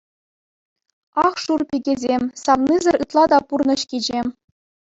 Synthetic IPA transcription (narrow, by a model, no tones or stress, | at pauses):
ɑχʂurpʲiɡʲezʲemʲsɑʋnizʲɘ̆rɯt̪lˠɑd̪ɑpurnɤ̆ɕkʲid͡ʑemʲ